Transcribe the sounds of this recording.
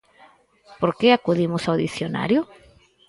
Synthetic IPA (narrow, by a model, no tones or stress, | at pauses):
poɾkeakuðimʊsawðiθjona̰ɾjʊ